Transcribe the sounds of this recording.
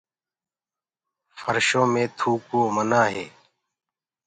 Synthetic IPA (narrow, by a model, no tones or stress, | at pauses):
fəɾʃõːmẽːt̪ʰuːkõːmənaːɦeː